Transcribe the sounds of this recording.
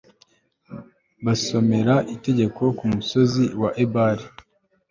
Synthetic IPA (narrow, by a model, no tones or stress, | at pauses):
βaso̞me̞ɾaʔite̞ɟe̞ko̞kumuso̞ziwaʔebaɾi